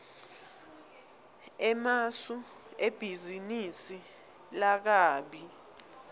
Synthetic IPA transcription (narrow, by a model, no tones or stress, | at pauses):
ɛmasu | eb̥ʱizinisi | lak̬aːɓi